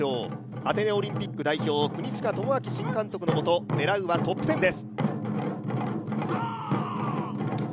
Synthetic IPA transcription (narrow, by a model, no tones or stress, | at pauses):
oː | at̪e̞ne̞o̞ɾʲĩmpʲikːɯ̟d̪aiço̞ːkɯ̟ɲ̟iɕi̥kat̪omoakʲiɕĩŋkãnt̪o̞kɯ̟noːt̪o̞d̪e̞ɾaɯ̟βat̪o̞pːɯ̟t̪e̞nd̪e̞sɨ̥